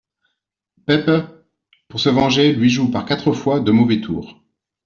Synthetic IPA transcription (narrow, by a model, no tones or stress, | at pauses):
pɛpə | puʁsəvɑ̃ʒelɥiʒupaʁkat̪χəfwad̪əmɔvɛt̪ʰṵːʁ